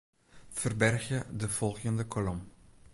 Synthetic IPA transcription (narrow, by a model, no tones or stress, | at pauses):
fərbɛrχjədəfɔlˠχjəndəkʰolɔm